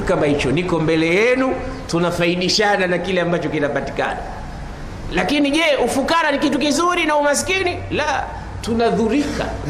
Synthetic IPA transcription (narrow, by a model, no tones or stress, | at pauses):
ukamahit͡ʃɔnikɔmbɛlɛjɛnutunafaiɗiʃananakilɛambat͡ʃɔkinapati̥ka̰na | lakiniʄɛʔufukaɾanikitukizuɾinaumas̬i̥kinila | tunaðuɾika̰